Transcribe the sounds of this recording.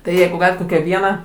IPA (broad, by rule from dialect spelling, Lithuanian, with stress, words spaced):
tɐɪ ˈjɛɪɡʊ ˈɡɑːlʲɪt ˈkoːkʲæː ˈʋʲiɛnɑː